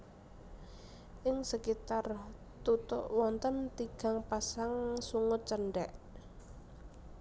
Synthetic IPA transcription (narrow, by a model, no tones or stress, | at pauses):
ʔɪŋsəkit̪ar | t̪ut̪ʊ̰ʔwɔnt̪ənt̪iɡ̥a̤ŋpasaŋsuŋʊt̪̚t͡ʃəɳɖɛʔ